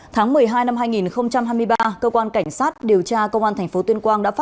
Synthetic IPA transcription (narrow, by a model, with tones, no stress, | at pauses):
t̪ʰaː˨˦ŋmɨ˨˩əjɦaː˧jna˧mɦaː˧jŋi˨˩nxə˧wŋ͡mt͡ɕa˧mhɦaː˧jmɨ˧jɓaː˧kəː˧kwaː˧nka˧˩jŋ̟saː˦˥t̚ɗi˨˩əwt͡ɕaː˧kə˧wŋ͡mʔaː˧nt̪ʰɛ˨˩ŋ̟fo˨˦t̪wənkwaː˧nɗa̰ː˧˥fa˦˥